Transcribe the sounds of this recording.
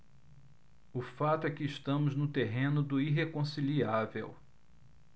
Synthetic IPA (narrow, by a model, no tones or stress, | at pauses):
ʊfat̪ʊɛkɪːʃt̪ɐ̃mʊznʊt̪eɦẽnʊd̪ʊiɦekõsiliavḛw